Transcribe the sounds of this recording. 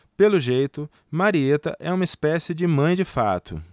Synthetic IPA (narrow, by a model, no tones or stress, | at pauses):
pelʊʒejt̪ʊ | maɾiet̪ɐ̰ʔɛũmɐispɛsɪd͡ʒɪmɐ̃j̃d͡ʒɪfat̪ʊ̰